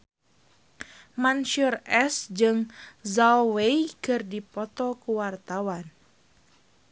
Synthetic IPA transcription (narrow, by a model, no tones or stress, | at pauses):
manʃurɛsd͡ʒɨŋzawejkɨrdipɔt̪ɔkuwart̪awan